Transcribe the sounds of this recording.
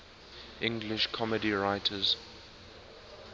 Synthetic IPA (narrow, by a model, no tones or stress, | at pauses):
ʔɪ̃ŋɡlɪʃkʰɔmədiɹaɪtʰəz̥